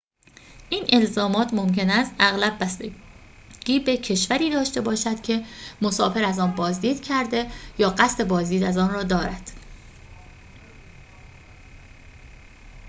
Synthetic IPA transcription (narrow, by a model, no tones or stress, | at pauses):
ʔiːnʔe̞lzɒːmɒːt̪ʰmo̞mce̞næst̪æɣlæbːæst̪e | ɡ̥iːbe̞cʰe̞ʃvæɾiːd̪ɒːʃt̪e̞bɒːʃæd̪̥cʲʰe̞mo̞sɒːfe̞ɾæzɒːnbɒːzd̪iːd̪̥cʰæɾd̪e̞jɒːɢæst̪e̞bɒːzd̪iːd̪æzɒːnrɒːd̪ɒːɾæd̪̥